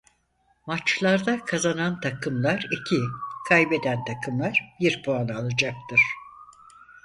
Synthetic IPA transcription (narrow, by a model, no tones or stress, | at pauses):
mat͡ʃlˠaɾd̪akʰazanant̪ʰakʰɯmlˠaɾicʰikʰajbed̪ænt̪ʰakʰɯmlˠaɾ̥biɾpʰoanɯalˠad͡ʒak̚t̪ʰɯɾ̥